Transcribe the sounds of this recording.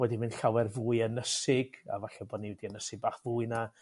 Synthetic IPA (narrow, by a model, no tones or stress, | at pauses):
wɛdimɨnɬawɛrvuːɨənəsɪɡ̥a̰vaɬɛbɔːdniwɛdiənəsɪɡ̚baːχvuːɨna